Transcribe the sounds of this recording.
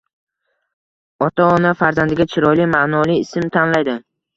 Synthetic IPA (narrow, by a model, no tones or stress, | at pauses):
ɒt̪ʰaɒnafaɾzand̪ɪɡʲat͡ʃʰɪɾɒlimanɒliɪsɪmt̪ʰanlajd̪ɪ